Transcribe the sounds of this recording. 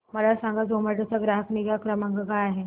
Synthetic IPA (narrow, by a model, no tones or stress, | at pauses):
məlasãŋɡad͡zoməʈat͡saɡɾaɦəkniɡakɾəmaŋɡəkajaɦe